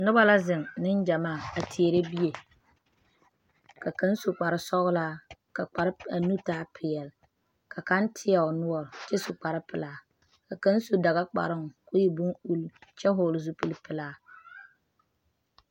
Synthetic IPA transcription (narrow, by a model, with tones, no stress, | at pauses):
nʊ˦ba˦la˦zɪ˨ŋnɪ˦n˦d͡ʒa˨maː˦˨a˨tʰi˨e˨ɾe˦bi˦e˨ | ka˨ka˦n˦su˨k͡pa˨ɾɪ˦sɔ˦ɣʊ˦laː˦ka˨k͡pa˨ɾɪ˦a˨nu˦taː˦pʰɪ˨jɛ˨l | ka˨ka˦n˦tʰɪ˦a˨ʊ˨nʊ˦ɔ˦˨ɾɪ˨t͡ʃɛ˦sʊ˨k͡pa˨ɾɪ˦pɪ˨laː˦ | ka˨ka˦n˦su˦da˨ɣa˦k͡pa̰˨ɾɨ˦ŋ˨kʊ˦ji˨bʊ˦ŋu˦lt͡ʃɛ˦ɦoː˦˨lzu˦pɨ˦lpɨ˨laː˦